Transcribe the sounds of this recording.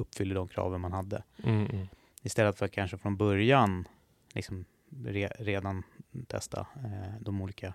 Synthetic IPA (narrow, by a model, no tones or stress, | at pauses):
ɵpːfʏlːəd̪ɔmkʰɾɑ̰ːvənmanhad̪ːə̰ | ɪst̪ɛlːət̪fœɾat̪kʰanʂəfɾɔnbœɾjan | lɪ̰ksɔm | ɾeːɾeːd̪ant̪ʰɛ̰st̪ʰa̰d̪ɔmuːliːka